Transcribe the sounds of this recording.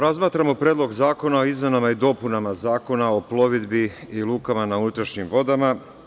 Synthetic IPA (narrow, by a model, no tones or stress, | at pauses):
ɾazmaːt̪ɾamo̞pɾeːd̪lo̞ɡzaːko̞naoizme̞namaid̪o̞punamazaːko̞naoplˠo̞ʋid̪biilˠuːkamanaunut̪ɾaʃɲimʋo̞d̪ama